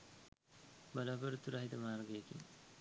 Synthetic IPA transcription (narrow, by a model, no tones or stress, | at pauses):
bɐlaːbəɾut̪ːuɾaɦit̪ɐmaːɾɡekḭn